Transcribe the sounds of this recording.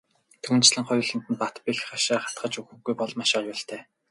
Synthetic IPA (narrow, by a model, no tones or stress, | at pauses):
t̪ʰɵːnt͡ɕɮɘ̆ŋχɔjʊːɮə̆n̥t̪ɘ̆npat̪pixχaʃaːχḁt̪ɢə̆t͡ɕuxɘ̆ɣujpɔɮmaʃajʊːɬt̪ʰæː